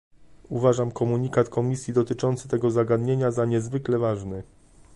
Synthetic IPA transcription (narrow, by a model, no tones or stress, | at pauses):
uvaʐamkɔmuɲikat̪kɔmʲisʲjid̪ɔt̪ɘt͡ʂɔnt̪sɘ̥t̪ɛɡɔzaɡad̪ɲeɲazaɲɛzvɘklɛvaʐnɘ